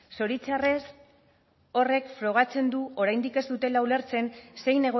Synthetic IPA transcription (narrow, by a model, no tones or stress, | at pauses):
so̞ɾit͡sares | o̞re̞kfɾo̞ɣ̞at͡se̞nd̪uoɾajnd̪ike̞zd̪ut̪e̞laule̞ɾt͡se̞nse̞jne̞ɣ̞o